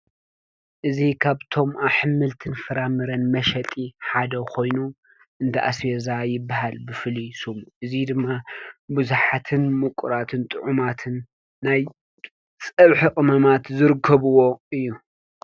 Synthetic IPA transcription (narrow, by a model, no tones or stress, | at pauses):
ʔɨzikʰaβt̪ʰo̞mʔaħɨmːɨlt̪ʰɨnfɐɾamɨɾɐnmɐʃɐt̪ʼiħad̪ɐkʰo̞jnu | ʔɨnt̪ʰɐʔa̰sjezajɪbːahalbɨfɨlisumʔɨzid̪ɨmːabɨzuħat̪ʰɨnmɨkʷʼuɾat̪ʰɨnt̪ʼɨʕumat̪ʰɨnː | aj | t͡sʼɐβħiqʼɨmɐmat̪zɨɾɨkʰːɐβuwo̞ɨjːu